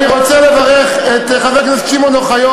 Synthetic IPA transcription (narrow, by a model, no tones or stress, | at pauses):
niʁot͡selevaʁeχet̪χaveknast͡ʃimonoχajo